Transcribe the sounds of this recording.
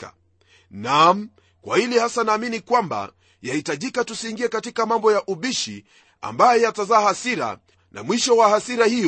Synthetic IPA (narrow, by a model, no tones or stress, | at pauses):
a | nam̩ | kwa̰hilihasanaːminikwamba̰ | jahitaʄikatusiːŋɡiɛkatikamambɔjaʔuɓiʃi | a̰mbajɔjatazaːhasiɾa̰ | na̰mwiʃɔwahasiɾahij